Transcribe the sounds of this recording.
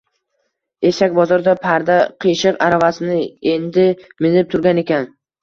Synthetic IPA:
e̞ʃakʲbɒzɒɾd̪apʰaɾd̪aqʰijʃɨqaɾavasɪnɪe̞nd̪ɪmɪnɪp̚t̪ʰʊɾɡʲane̞kʲan

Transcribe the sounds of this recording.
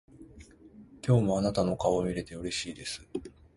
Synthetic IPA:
kʲo̞ːmo̞anat̪ano̞kaomʲiɾe̞t̪e̞oɾe̞ɕiːd̪e̞sɨ̥

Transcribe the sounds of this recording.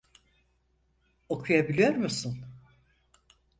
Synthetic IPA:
okʰujabilʲijoɾmusun

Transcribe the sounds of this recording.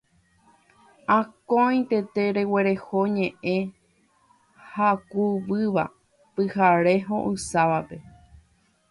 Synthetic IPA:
ãkõj̃t̪e̞t̪e̞ɾe̞we̞ɾe̞hoɲẽ̞ʔẽ̞ | hakuʋɨʋa̰ | pɨhaɾe̞ɦõ̰ʔɨsaʋape̞

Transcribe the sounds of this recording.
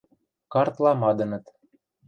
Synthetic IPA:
kɑrt̪lɑmɑd̪ɤ̆nɤ̆t̪

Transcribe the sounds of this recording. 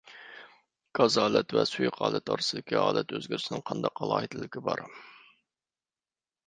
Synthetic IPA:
ɡ̥ɑzɑːlˠɛt̪vɛsujqʰɑːlˠɛt̪ɑ̰ɾsɨd̪ɪkʲiɑːlˠɛt̪øzɡʲyɾsɪnɪŋqʰɑnd̪ɑqːɑlˠɑːɦid̪ʰɪlɪkʲʰibɑɾ

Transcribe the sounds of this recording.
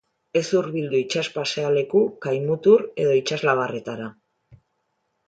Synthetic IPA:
e̞suɾβild̪uit͡ʃaspase̞ale̞kukajmut̪uɾe̞ðo̞it͡ʃazlaβ̞are̞t̪aɾa

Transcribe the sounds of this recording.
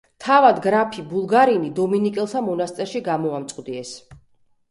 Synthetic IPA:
t̪ʰavad̪ɡɾapʰibulˠɡaɾinid̪ɔminikʼɛlˠt̪ʰamɔnast̪sʼɛɾʃiɡamɔamt̪sʼqʼd̪iɛs

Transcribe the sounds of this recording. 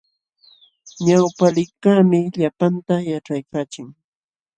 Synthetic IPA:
ɲawpalɪkaːmɪʎapant̪ajaʈ͡ʂajkaːt͡ʃɪŋ

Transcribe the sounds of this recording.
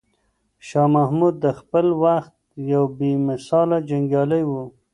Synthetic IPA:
ʃɑmahmud̪ːəxpəlwaxt̪̚jawbemɪsɑlad͡ʒaŋɡjɑləjwu

